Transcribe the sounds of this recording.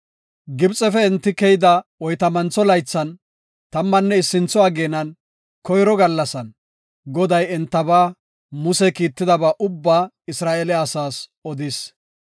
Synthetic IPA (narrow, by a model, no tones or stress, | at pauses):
ɡɪbt͡sʼɛfɛɛnt̪ːɪkɛjɪd̪ɐwɔjt̪ɐmɐnt͡sɔlɐjt͡sːɐn | t̪ɐmːɐnːɛɪsːɪnt͡sɔaːɡeːnɐn | kɔjɾɔɡɐlːɐsɐn | ɡɔd̪ɐjɛnt̪ːɐbaː | mʊsɛkiːt̪ːɪd̪ɐbaːʔʊbːaː | ɪsɾaːʔeːlɛɐsaːsɔd̪ɪs